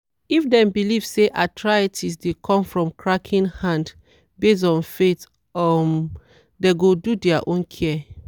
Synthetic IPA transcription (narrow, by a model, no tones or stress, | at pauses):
ifdɛ̃mbiliv̥seʔatʰɹajətʰisdekʰɔ̃mfɹɔ̃mkʰɹakʰĩnhãnd | bes̬ɔ̃nfet | ɔm | deɡodudɛaʔõnkʰɛ